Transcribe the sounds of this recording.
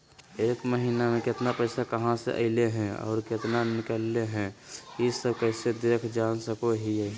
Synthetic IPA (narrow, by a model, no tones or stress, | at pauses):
eːkməɦinamẽkɪt̪napəɪsakəɦãsḛʔə̰ɪleɦɛ̃ɔ̰ːɾkɪt̪nanɪkəlːeɦɛ̃isəbkəɪsed̪eːkʰd͡ʒaːnsəkoɦiɛ